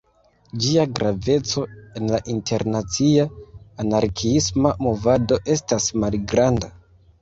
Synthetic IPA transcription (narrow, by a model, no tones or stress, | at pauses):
d͡ʒiaɡɾave̞t͡so̞e̞nlaʔintʰe̞ɾnat͡siaːnaɾkʰiismamo̞vado̞ʔe̞stasmalɡɾanda